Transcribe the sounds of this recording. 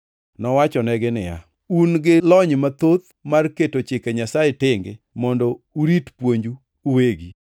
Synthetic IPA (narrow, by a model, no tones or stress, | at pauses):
nɔwat͡ʃɔnɛɡɪnɪja̰ | unɡɪlɔɲmat̪ot̪ | marketot͡ʃɪkeɲasajetɪŋɡɪ̰ | mɔndɔuɾitpwoɲd͡ʒu | uweɡi